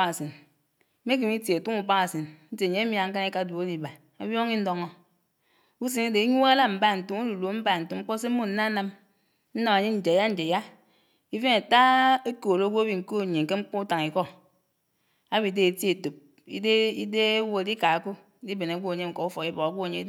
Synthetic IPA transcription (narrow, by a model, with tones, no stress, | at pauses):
a˨si˨n˦ | me˦ki˨mi˦tje˨tu˦ŋu˨ba˦a˨si˨nn̩˦te˨ɲ˦mi˦˨a˨ŋ̩˦ka˦ni˦ka˦˨du˨e˦li˨ba˨ | a˦bjo˦ŋi˦n̩˦do˦ŋo˦ | u˦s̬i˨ne˦de˨i˦ɲu˦a˦la˦m̩˨˦ba˦˨n̩˨tu˨mo˦du˨lo˨˦m̩˦ba˦˨n̩˨tu˨˦ŋ͡m̩˦k͡po˦se˦mo˦n̩˦na˦na˦m | n̩˦na˨ma˨ɲe˦n̩˨d͡ʒe˨ja˦n̩˦d͡ʒe˨ja˦ | i˦fe˦na˨ta˦e˦ko˨ɾɡʷo˦a˦bi˨ŋ̩˨ko˦˨ɲe˨ŋ̩˨ke˦ŋ͡m̩˦k͡po˦u˦ta˨ŋ˨i˨kɔ˦ | a˦bi˨˦de˦e˨tje˨to˨p̚ | ḭ˦de˦i˦de˦wo˦e˨di˦ka˨ko˦˨ | di˦be˨na˨˦ɡʷo˦e˨ɲe˦ŋ͡m̩˦ko˨u˦fo˨i˦bɔ˨ka˨ɡʷo˦a˨ɲe˦